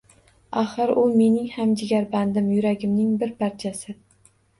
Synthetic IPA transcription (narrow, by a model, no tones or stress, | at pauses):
aχɨɾʊme̞nɪŋhamd͡ʒɪɡʲaɾband̪ɪmjʊɾaɡʲɪmnɪŋbɪɾpʰaɾt͡ʃʰasɪ